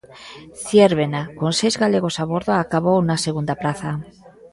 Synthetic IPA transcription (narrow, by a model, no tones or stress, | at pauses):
θjeɾβenakonsejzɣaleɣ̞osaβ̞oɾðoakaβ̞ownaseɣund̪aplaθa